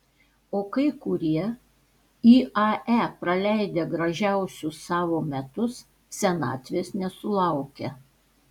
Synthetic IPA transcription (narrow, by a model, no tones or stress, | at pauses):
oːkɐɪkʊɾʲiɛ | iːʔɐæpɾɐlʲæˑɪd̪ʲeɡɾɐʒʲæˑʊsʲʊssɑːʋoːmʲɛt̪ʊs | sʲɛnɑ̰ːt̪ʲʋʲeːsnʲɛsʊlˠɐʊkʲe